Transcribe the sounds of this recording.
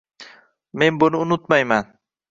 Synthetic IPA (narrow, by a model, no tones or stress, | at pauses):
membonunut̪majman